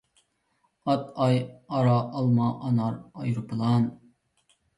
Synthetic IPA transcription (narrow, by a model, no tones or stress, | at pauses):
ɑt̪ɑjɑɾɑʔːlˠmɑʔɑnɑɾɑjɾpɨlˠɑn